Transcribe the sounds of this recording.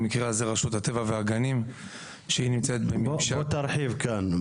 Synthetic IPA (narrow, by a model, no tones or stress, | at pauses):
mikʁeazeʁaʃut̪hat̪evaveaɡanim | ʃehinimt͡seet̪bemiʃaot̪aɾħivkan